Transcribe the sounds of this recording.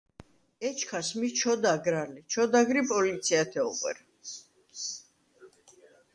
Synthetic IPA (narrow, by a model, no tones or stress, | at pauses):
ɛt͡ʃʰkʰasmit͡ʃʰɔd̪aɡɾalit͡ʃʰɔd̪aɡɾipʼɔlit̪sʰiat̪ʰɛɔqʼɛ̰ɾ